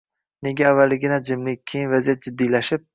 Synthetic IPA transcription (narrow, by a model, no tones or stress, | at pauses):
ne̞ɡʲaːvːalɪɡʲɪnad͡ʒɪmlɪk̚ʲʰːejɪnvazijat̪̚d͡ʒɪd̪ːijlaʃɪp̚